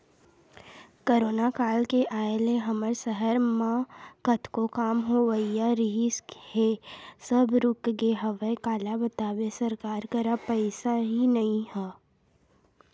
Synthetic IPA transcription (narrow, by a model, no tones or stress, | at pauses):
koːɾoːnakaːlkeʔaːeleɦɐməɾsəɦəɾmãkət̪ʰkokaːmɦoʋəijaɾɪɦishesɐbʱɾʊkɡeɦɐʋəkaːlabət̪aːʋesɐɾkaːɾkɐɾapɛɪsaɦinɐɦĩɦɛː